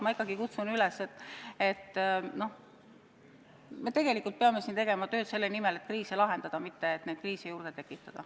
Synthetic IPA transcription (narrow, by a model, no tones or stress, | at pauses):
mɑikːˑɑɡ̥ikut̪sunylɛset̪ːe̞t̪ːno̞ | me̞t̪e̞ɡ̥e̞likːˑult̪̚peɑme̞sint̪e̞ɡ̥e̞mɑt̪ø̞ːt̪se̞lːenimele̞t̪̚kriːselɑɦe̞nd̪̥ɑd̪̥ɑmit̪ːe̞ːt̪ned̥̪kriːsejuɾɡ̥et̪e̞kːˑit̪ːˑɑd̪̥ɑ